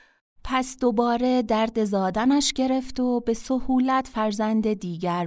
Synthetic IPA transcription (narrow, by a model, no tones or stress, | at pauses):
pʰæsd̪o̞bɒːɾe̞d̪æɾd̪e̞zɒːd̪ænæʃɟe̞ɾe̞ft̪obe̞sohuːlæt̪ʰfæɾzænd̪ed̪iːɟæɾ